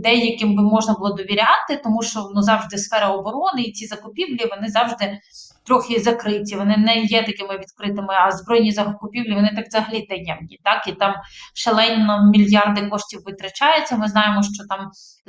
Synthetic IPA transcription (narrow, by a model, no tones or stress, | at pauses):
d̪ɛjɐkɪmbɪmɔʒnɐbʊlˠɔd̪ɔʋʲiɾʲɑt̪ɪt̪ɔmuʃt͡ʃɔnuzɑwʒd̪ɪsfɛɾɐɔbɔɾɔnɪit͡sʲizɐkʊpʲiwlʲiʋɔnɪzɑwʒd̪ɪ | t̪ɾɔxɪzɐkɾɪtʲiʋɔnɪnɛjɛt̪ɐkɪmɪʋʲid̪kɾɪt̪ɪmɪɐzbɾɔjnʲizɐkʊpʲiwlʲiʋɔnɪt̪ɑkzɐɦɐlʲit̪ɛjɛmnʲḭt̪ɑkit̪ɑmʃelˠɛnʲːɔmʲilʲjɑrd̪ɪkɔʃtʲiwʋɪt̪ɾɐt͡ʃɑjʊt͡sʲːɐmɪznɑjɪmɔʃt͡ʃɔt̪ɑm